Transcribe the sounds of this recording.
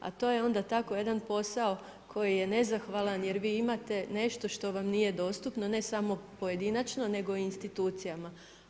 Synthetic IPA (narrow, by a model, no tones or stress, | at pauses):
a̰t̪o̞ːjeo̞nd̪at̪ako̞je̞d̪anpo̞sao̞ | kʰo̞jije̞ne̞zaxʋalanje̞ɾʋiːimat̪e̞ne̞ʃt̪o̞ʃt̪o̞ʋamnije̞d̪o̞ːst̪upnone̞samo̞poje̞d̪inat͡ʃno̞ne̞ɡo̞inst̪it̪uːt̪sijama